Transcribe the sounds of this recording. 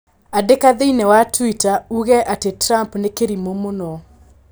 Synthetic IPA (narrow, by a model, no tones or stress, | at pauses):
adekaðeinɛwatwitauɣɛʔatetɾampnekeɾimomonɔ